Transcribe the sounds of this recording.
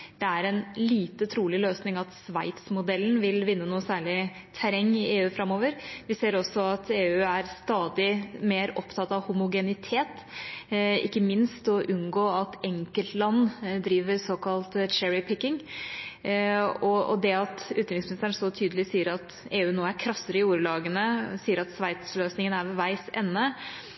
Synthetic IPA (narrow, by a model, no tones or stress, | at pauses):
d̪̥ɛæɾɛnliːt̪ət̪ʰɾuːlɪløːsnɪŋɑt̪sʋæɪt̪smʊd̪ɛlːn̩ʋɪlʋɪnːənuːəsæːɭɪ | t̪ʰæɾɛŋːɪeːʉːfɾɑmːoːʋəɾʋɪseːɾɔsːɔɑt̪ʰeːʉːæɾst̪ɑːd̪ɪmeːɾɔpt̪ʰɑt̪ɑʋhʊmʊɡɛnɪt̪ʰeːt̪ | ɪ̰kːəmɪnst̪ɔʔʉnɡoːɑt̪ɛŋkəlt̪lɑnːd̪ɾiːʋəɾsoːkɑlt̪t͡ʃɛɹɪpʰɪkːɪŋ | ɔɔ̰d̪ɛɑt̪ʉːt̪ɾɪŋsmɪnɪst̪əɳsɔt̪ʰyːd̪əlɪsiːəɾɑt̪ | eːʉːnoːæɾkʰɾɑsːəɾəɪuːɾəlɑːɡənəsiːəɾɑt̪sʋæɪt̪sløːsnɪŋənæɾʋʋæɪsɛ̰nːə